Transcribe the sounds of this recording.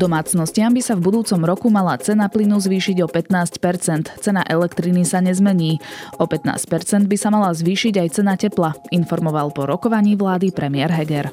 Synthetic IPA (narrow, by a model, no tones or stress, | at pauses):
d̪ɔmaːt͡snɔscɪambisavbud̪uːt͡sɔmɾɔkumalat͡sɛnaplinuzʋiːʃiɟɔpɛt̪naːscpɛɾt͡sɛnt̪t͡sɛna̰ʔɛlɛkt̪ɾinisaɲɛzmɛɲiːɔpɛt̪na̰ːsc̚pɛɾt͡sɛnd̪bisamalazʋiːʃiɟajt͡sɛnacɛplainfɔɾmɔʋalpɔɾɔkɔʋaɲiːʋlaːd̪ipɾɛmɪɛɾɦɛɡɛɾ